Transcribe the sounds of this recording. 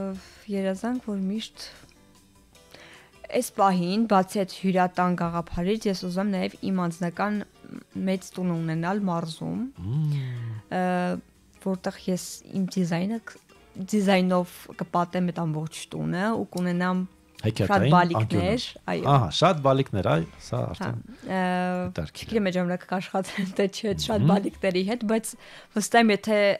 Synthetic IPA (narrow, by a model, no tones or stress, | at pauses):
jɛɾɑzɑŋkʰvɔɾmiʃt̪ | ɛspɑɦinbɑt͡sʰɛt͡sʰhuɾɑt̪ɑnɡɑʁɑpʰɑɾit͡sʰjɛsuzumɛmnɑjɛvḭmɑnd͡znɑkɑn | mɛt͡st̪unəunɛnɑlmɑɾzṵm | vɔɾt̪ɛʁjɛsḭmd̪izɑjnə | d̪izɑjnɔvkəpɑt̪ɛmɛt̪ɑmbɔχt͡ʃʰt̪ṵnəṵkunɛnɑm | hɛkʰɛʃɑt̪bɑliknɛɾɑ̰j̰ɔ̰ɑɦɑ̰ʃɑt̪bɑliknɛɾɑ̰jsɑ̰ɑ̰ɾth̪ɑ̰ɛ̰n | t̪ɾt͡ʃʰəɡit̪ɛmɛʒɑmɑnɑkə̥kɑʃχɑt̪ɛɛnt̪ʰɛt͡ʃʰɛt̪ʃɑt̪bɑliknɛɾiɦɛt̪bɑjt͡sʰ | vəst̪ɑɛmjɛt̪ʰɛ